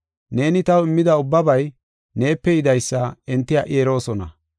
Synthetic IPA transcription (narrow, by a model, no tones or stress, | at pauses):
ne̞ːnɪt̪ɐwɪmːɪd̪ɐʊbːɐbɐj | ne̞ːpːɛjɪd̪ɐjsːɐɛnt̪ːɪjaːʔeeɾo̞ːsɔnɐ̰